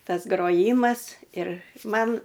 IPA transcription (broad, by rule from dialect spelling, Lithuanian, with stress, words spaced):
ˈtɐs ɡroːˈjiːmɐs ɪr ˈmɐn